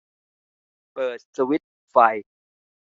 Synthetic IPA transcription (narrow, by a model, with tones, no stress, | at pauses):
pɤː˨˩t̪̚sa˧wi˦˥t̪̚ | fa˧j